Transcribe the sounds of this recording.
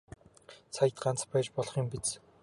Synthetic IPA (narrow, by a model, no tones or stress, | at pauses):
sʰajɪ̆t̪ɢant͡spæːt͡ɕpɔɮχiːmpit͡s